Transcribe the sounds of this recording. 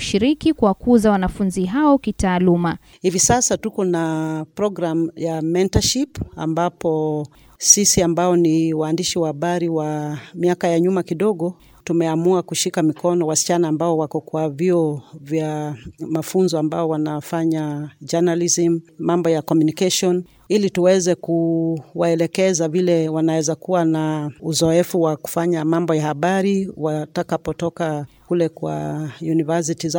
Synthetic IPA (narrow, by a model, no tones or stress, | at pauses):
ʃiɾikikuwakuzawanafunziɦaɔkitaːluma | hivisasatukɔnapɾɔɡɾamjamɛntaʃipa̰mbapɔ | sisiambaɔniwaːndiʃiwahaɓaɾiwamiakajaɲumakiɗɔɠɔ | tumɛamuakuʃikamikɔnɔwasi̥t͡ʃanaːmbaɔwakɔkwaviɔvjamafunzɔambaɔwanafaɲad͡ʒanalizimmambɔjakɔmjunikaʃiɔn | ilituwɛzɛkuwaɛlɛkɛzavilɛwanawɛzakuwanauzɔɛfuwaku̥faɲamambɔjahaɓaɾiwatakapɔtɔkakulɛkwa̰junivas̬iti